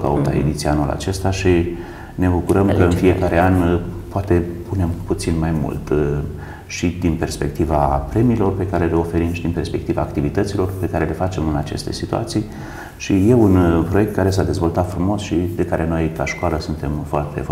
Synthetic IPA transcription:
ka̰ut̪a̰ḛd̪it̪sianola̰t͡ʃe̞st̪aʃi | ne̞bukuɾəmkəɨnfiekaɾe̞anpoat̪e̞pune̞mput̪sinmajmṵlt̪ | ʃid̪inpe̞rspe̞k̚t̪ivapɾe̞miːlo̞rpe̞kaɾe̞le̞o̞fe̞ɾimʃid̪inpe̞rspe̞k̚t̪ivaːkt̪ivit̪ət̪silo̞rpe̞kaɾe̞le̞fat͡ʃe̞mɨnat͡ʃe̞̰st̪e̞sit̪ua̰t̪sij | ʃije̞unpɾo̞je̞k̚t̪̚kaɾe̞sad̪e̞zvo̞lt̪at̪fɾumo̞sʃid̪e̞kaɾe̞no̞jkaʃkoaləsunt̪e̞mfoart̪e̞̰f

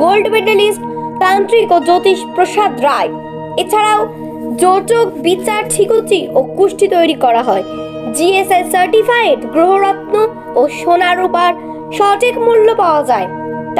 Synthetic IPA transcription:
ɡolɖbeʈalisʈt̪ant̪ɾikod͡ʑot̪iʃpɾoʃad̪ɾae | et͡ɕʰaɾao | d͡ʑoʈok̚bit͡ɕaɾʈʰikot͡ɕiʔokuʃʈit̪ojɾikɔɾaɦɔe | d͡ʑiesesaɾʈifajeʈɡɾoɦoɾat̪no | oʃonaɾupaɾ | ʃɔʈikmulːopaoad͡ʑae | t̪

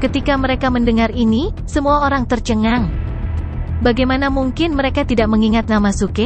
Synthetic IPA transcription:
kət̪ikaməɾekaməndəŋarini | səmuaoɾaŋt̪ərt͡ʃəŋaŋ | baɡajmanamuŋkɪnməɾekat̪idaʔ̚məŋiŋat̪̚namasukɪ

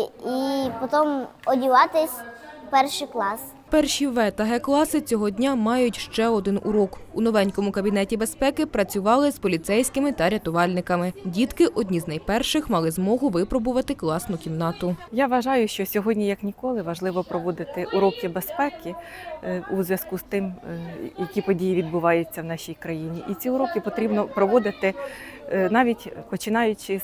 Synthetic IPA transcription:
ipɔt̪ɔmɔdʲiʋɑt̪ɪsʲpɛrʃɪklˠɑs | pɛrʃiʋɛt̪ɐɦɛklˠɑsɪt͡sʲɔɦɔdʲnʲamɑjʊtʲʃt͡ʃɛɔd̪ɪnʔṵɾɔkunɔʋɛnʲkɔmʊkɐbʲinɛtʲibe̞spɛkɪpɾɐt͡sʲʊʋɑlˠɪzpɔlʲit̪sɛjsʲkɪmɪt̪ɐɾʲɐt̪ʊʋɑlʲnɪkɐmɪdʲit̪kɪʔɔdʲnʲiznɐjpɛrʃɪxmɑlˠɪzmɔɦʊʋɪpɾɔbʊʋɐt̪ɪklˠɑsnʊkʲimnɑt̪ʊjaʋɐʒɑjʊʃt͡ʃɔsʲɔɦɔdʲnʲijɐknʲikɔlˠɪʋɐʒlˠɪʋɔpɾɔʋɔd̪ɪt̪ɪʔʊɾɔkɪbespɛkɪ | uzʋʲjɐskust̪ɪmjɐkʲipɔdʲijiʋʲid̪̚bʊʋɑjʊt͡sʲːɐwnɑʃʲijkɾɐjinʲiʔit͡sʲiʊɾɔkɪpɔt̪ɾʲibnɔpɾɔʋɔd̪ɪt̪ɪ | nɑʋʲitʲpɔt͡ʃɪnɑjʊt͡ʃɪ

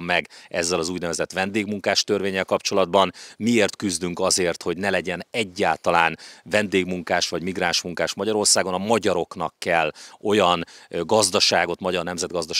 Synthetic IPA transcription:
mːɛɡɛzːɛlɒzuːɟnɛvɛzɛt̪ʋɛnd̪eːɡmuŋkaːʃt̪ørveːɲːɛlkɒpt͡ʃo̞lɒd̪bɒnmieːrt̪kyzd̪yŋkɒzeːrt̪ho̞ɟnɛlɛɟɛnɛɟːaːlt̪ɒlaːnvɛnd̪eːɡmuŋkaːʃʋɒɟmiɡraːnʃmuŋkaːʃmɒɟɒɾo̞rsaːɡo̞nɒmɒɟɒɾo̞kn̪ɒ̰kːɛlːo̞jɒnɡɒzd̪ɒʃaːɡo̞t̪mɒɟɒrnɛmzɛd̪ɡɒzd̪ɒʃ

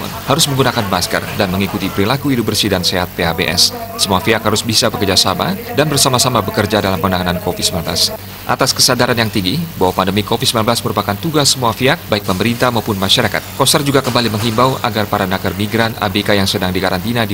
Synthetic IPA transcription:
nhaɾʊsməŋɡunakanbaskə̰rdanməŋikut̪ipəɾilakuidobərsidanseɦat̪ːeabḛʔɛ̰sːəmuafiakhaɾusbisabəkərd͡ʒasama̰danbərsamasamabəkərd͡ʒadalampənaŋanankofit̪̚səmlanbla̰s | ʔa̰t̪askəsadaɾanjaŋt̪iŋɡibawapandəmikofit̪səmlanbəlasməɾupakant̪uɡasːəmuafiak̚baɪk̚pəməɾint̪amaupʊnmaʃaɾaka̰t̪̚kɔsərd͡ʒuɡakəmbaliməŋɦimbawa̰ɡarpaɾanakərmiɡɾana̰bekajaŋsədaŋdikaɾant̪inadi

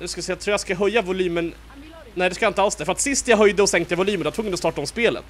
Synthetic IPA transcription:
asksɛjat̪ʰuːjaskaɦœjːavʊlyːmən | nɛɪd̪ɛskajaɪnəalsd̪ɛɾfœɾat̪sɪst̪jaɦœjd̪əɔsɛŋkt̪əjavʊlyːmənɛvt̪fʊŋːəɔst̪ɑːʈaɔmspeːlə̰t̪

